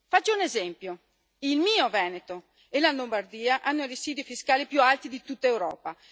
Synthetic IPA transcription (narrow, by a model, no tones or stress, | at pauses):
fat͡ʃːounezɛmpjo | ilmiːovɛːnet̪o | elalombard̪iːaʔanːoiriziːd̪ifiskaːlipjualt̪id̪it̪ut̪ːaewɾɔːpa